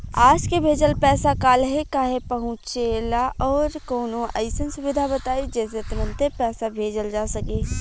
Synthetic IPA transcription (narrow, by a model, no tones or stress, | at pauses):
aːd͡ʒkebʱeːd͡ʒəlpɛːsakaːlɦɛkaːɦepɐɦʊ̃t͡ʃeːlaʔɔːɾkoːnõʔɐɪsənsʊʋɪd̪ʱabət̪aːed͡ʒɛːset̪ɐɾə̃nt̪epɛːsabʱeːd͡ʒəld͡ʒaːsɐkeː